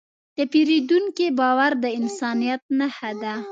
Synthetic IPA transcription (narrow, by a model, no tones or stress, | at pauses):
d̪̥əpiɾid̪uŋkibɑwaɾd̪əɪnsɑnijat̪̚nahad̪a